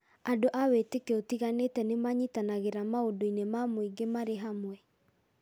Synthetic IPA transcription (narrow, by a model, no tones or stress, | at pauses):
adoʔawetekeotiɣanetɛnemaɲitanaɣeɾamaodoinemamoiɡemaɾeɦamwɛ